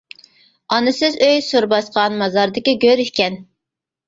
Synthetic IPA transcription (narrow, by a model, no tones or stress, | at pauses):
ɑnɨsɪzøjsuɾbɑsqʰɑnmɑzɑɾd̪ɪkʲiɡʲøɾyhkʲɛn